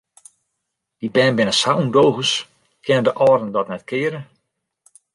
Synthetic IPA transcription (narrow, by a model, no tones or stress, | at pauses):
d̥ibɛːnbɪnəsawundowɣəs | kʰɪnədəʔɔːrdəndɔtnɛtkʰɪːəɾə